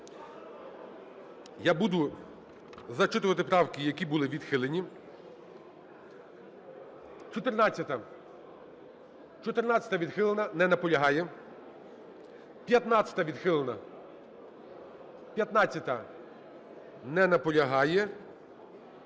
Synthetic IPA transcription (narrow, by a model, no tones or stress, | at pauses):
jabud̪ʊ | zɐt͡ʃɪt̪ʊʋɐt̪ɪpɾɑwkɪjɐkʲibulˠɪʋʲid̪xɪlˠenʲi | t͡ʃɔt̪ɪrnɑt͡sʲːɐt̪ɐ | t͡ʃɔt̪ɪrnɑt͡sʲɐ̥t̪ɐʋʲid̪xɪlˠenɐnɛnɐpɔlʲɐɦɑjɛ | pʲjɐt̪nɑt͡sʲɐ̥t̪ɐʋʲid̪xɪlˠenɐ | pʲjɐt̪nɑt͡sʲːɐt̪ɐ | nɛnɐpɔlʲɐɦɑjɛ